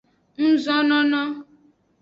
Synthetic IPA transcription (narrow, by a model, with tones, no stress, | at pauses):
n̩˦zɔ˦nɔ˦nɔ˦